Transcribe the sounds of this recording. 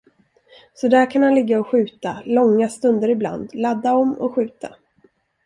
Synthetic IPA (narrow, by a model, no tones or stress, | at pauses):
sɔd̪æːɾkʰanhanlɪɡːaɔɧʉ̟ːt̪alɔŋːast̪ɵnd̪əɾɪbla̰nd̪lad̪ːaɔmːɔ̰ɧʉ̟ːt̪a̰